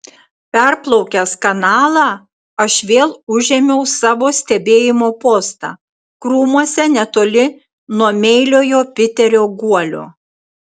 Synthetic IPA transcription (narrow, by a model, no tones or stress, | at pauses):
pʲɛɾplˠɔʊkʲɛskɐnɑːlˠɑː | ɐʃʋʲeːlˠʊʒʲɛmʲɛʊsɑːʋoːsʲt̪ʲɛbʲeːjɪmoːpoːst̪ɑ̰ː | kɾuːmuɔsʲɛnʲɛt̪oːlʲɪ | nuɔmʲɛɪlʲoːjoːpʲɪt̪ʲɛɾʲoːɡuɔlʲo̰ː